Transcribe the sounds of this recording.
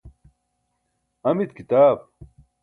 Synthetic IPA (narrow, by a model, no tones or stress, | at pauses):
ɐmit̪kit̪aːb̚